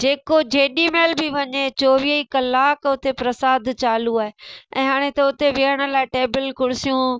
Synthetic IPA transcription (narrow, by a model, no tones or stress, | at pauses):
d͡ʑeːkod͡ʑeːɗimeːlbʱɪʋɐɲet͡ɕoːʋiəikɐlaːkʊt̪epɾɐsaːd̪ʱt͡ɕaːluaːɦeʔɛ̰̃ːɦaːɽ̃ẽt̪ɐʊt̪eʋɪəɽ̃ə̆laːɪʈeːbɪlkʊɽɪsijũ